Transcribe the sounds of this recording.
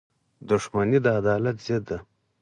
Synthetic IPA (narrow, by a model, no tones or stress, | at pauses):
d̪uʂmanid̪əad̪ɑːlat̪zed̪ːa